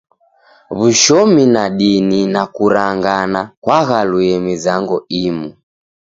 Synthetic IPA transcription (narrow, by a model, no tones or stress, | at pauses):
βuʃɔminaɗininakuɾaŋɡanakwaɣaluɛmizaŋɡɔimu